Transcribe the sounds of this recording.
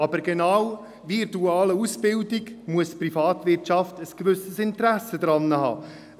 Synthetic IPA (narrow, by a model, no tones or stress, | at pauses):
ɑbəɾɡenaw | vɪɾtuaːləusbɪldɪɡmuəsprifɑːtvɪɾtt͡ʃɑftəskvʏsəsɪntəɾæsːəd̪ɾɑnːəhɑ̰ː